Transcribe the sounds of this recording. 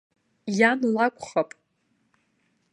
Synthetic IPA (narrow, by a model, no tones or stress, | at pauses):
janlakʷʰʼχapʼ